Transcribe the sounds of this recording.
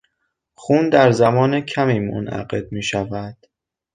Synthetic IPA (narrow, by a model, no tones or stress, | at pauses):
xuːnd̪æɾzæmɒːnecʰæmiːmo̰nʔæ̰ɢe̞d̪̥̚miːʃævæd̪̥